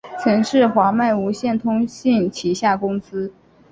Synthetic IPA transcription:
t͡sʰɤ˧˥ŋʂɻ̩˥˩xwa˧˥ma˥˩ɪu˧˥ɕjɛ˥˩nt̪ʰʊ˥ŋɕi˥˩ŋt͡ɕʰi˧˥ɕja˥˩kʊ˥ŋsɹ̩˥

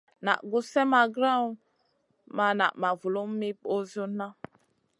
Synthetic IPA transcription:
na̰˨ʔɡu˦sɛ˦ma˨ɡɾa˦˨n | ma˨na̰˨ma˨vu˨lo˦m̩˦mi˦po˦zu˦na˦

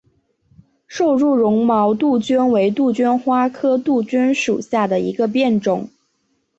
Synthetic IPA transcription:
ʂo˥˧ʊɻu˥˩ɻʊ˧˥ŋmɑ˧˥ʊt̪u˥˩t͡ɕy˥nwe˧˥ɪt̪u˥˩t͡ɕy˥nxwa˥kʰɤ˥t̪u˥˩t͡ɕy˥nʂu˨˩ɕja˥˩d̪ə˩ḭ˧˥ɡə˧p̬jɛ˥˩nʈ͡ʂʊ˨˩˦ŋ

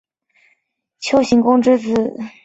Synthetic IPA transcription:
t͡ɕʰjo˥ʊɕi˧˥ŋkʊ˥ŋʈ͡ʂɻ̩˥t͡sɹ̩˨˩

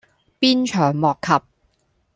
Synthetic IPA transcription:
piː˥nt͡ʃʰœː˨˩ŋmɔː˨kʰːɐ˨p̚

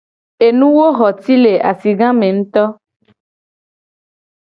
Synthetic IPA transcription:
e˨nũ˦wo˦ɦɔ˨t̪i˦le˨ʔa̰˨si˨ɡã˦mẽ˨ŋ̩̃˦t̪ɔ˦

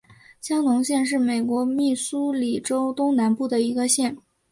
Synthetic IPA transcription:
ɕjɑ˥ŋnʊ˧˥ŋɕjɛ˥˧nʂ̬ɻ̩˥˩me˨˩ɪkwɔ˧˥mi˥˩su˥li˨˩ʈ͡ʂo˥ʊt̪ʊ˥ŋna˧˥npu˥˩d̪ə˩i˧˥ɡə˧ɕjɛ˥˩n

